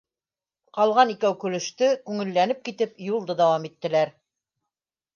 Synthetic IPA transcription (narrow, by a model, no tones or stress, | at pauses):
qɑlˠʁɑnikæwkɵ̆lɵ̆ʃt̪ɵkʉŋɘ̆lːænɘp̚kit̪ɘpjulˠd̪ɤd̪æwɑmit̪ːɘ̆læɾ